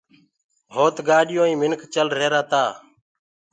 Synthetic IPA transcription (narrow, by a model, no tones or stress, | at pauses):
ɦoːt̪ɡaːɗɪjõːĩːmɪnkt͡ʃəlɾeːɾaːt̪aː